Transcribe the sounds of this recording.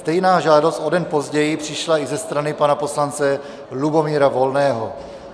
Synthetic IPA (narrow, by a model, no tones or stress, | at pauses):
st̪ɛjnaːʒaːdost̪ʔo̞dɛnpo̞zɟɛjɪpr̝̥ɪʃlaizɛst̪ɾanɪpanapo̞slant͡sɛ | lubo̞miːɾavo̞lnɛːɦo